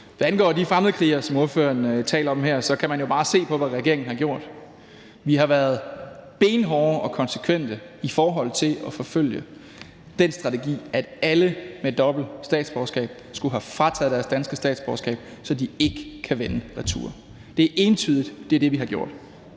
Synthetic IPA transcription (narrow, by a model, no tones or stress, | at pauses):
ʋæænɡ̥ɒ̰ːd̥ifʁamð̩ˠkʰleɐsɒ̽mo̝ɐfø̰ːɐnt͡sʰɛ̰ːlɐ̥mɦæɐ̰sɒ̽kʰæmænjo̝b̥ɑ̈ːse̝̰ːpʰɒ̽ʋæʁɛɡ̥e̝ɐ̰e̝ŋn̩hɑ̈ɡ̥jo̝ɐ̰d̥ | ʋiɦɑ̈ʋæɐð̞̩ˠb̥e̝ːnɦɒʔɒ̽kʰɒ̽nsə̥kʰʋen̰d̥əifɒːɦɒ̽l̰ˠt͡sʰe̝lʔɒ̽fɒ̽føl̰jə | d̥en̰sd̥ʁɑ̈t͡sʰe̝ɡ̥ḭːæd̥æləmed̥ɒ̽b̥l̩sd̥ɛ̰ːd̥sb̥ɒːsɡ̥ɛ̰ːb̥̚ | sɡ̥uɦæfʁɑ̈t͡sʰɛð̞̩ˠd̥æɐsd̥ænsɡ̥əsd̥ɛ̰ːd̥sb̥ɒ̰ːsɡ̥ɛ̰ːb̥ | sɒ̽d̥ie̝ɡ̥əkʰæʋenəʁɑt͡sʰṵːɐ | d̥e̝ʔe̝ːnt͡sʰyːð̞̰ˠid̥d̥e̝d̥e̝ʋiɦɑ̈ɡ̥jo̝ɐ̰d̥